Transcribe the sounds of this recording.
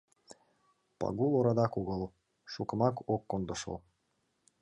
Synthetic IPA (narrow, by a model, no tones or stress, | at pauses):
pɑ̰ɣulˠoɾɑd̪ɑkuɣə̆lˠ | ʃukə̆mɑkokːond̪ə̆ʃɤ̰l